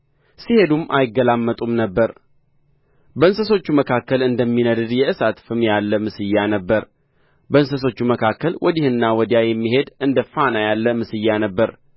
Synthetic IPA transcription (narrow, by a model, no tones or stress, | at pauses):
sihe̞d̪umʔa̰jɪɡːəlamːət̪ʼumnəbːəɾ | bəɨnsəso̞t͡ʃːuməkʰakːəlɨnd̪əmːinəd̪ɨd̪jɛʔɨsat̪fɨmjalːəmɨsɨjːanəbːəɾ | bəɨnsəs̬o̞t͡ʃːuməkʰakːəlwʔɔd̪ihɨnːawɔd̪jajɛmːiɦe̞d̪ʔɨnd̪əfanajalːəmɨsɨjːanəbːəɾ